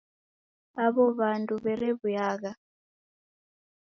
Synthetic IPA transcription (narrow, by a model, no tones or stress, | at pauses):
aβɔβandʼuβɛɾɛβujaːɣa